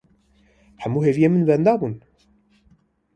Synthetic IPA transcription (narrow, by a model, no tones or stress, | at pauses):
ħæmːuɦevijemənbænd̪ɑbun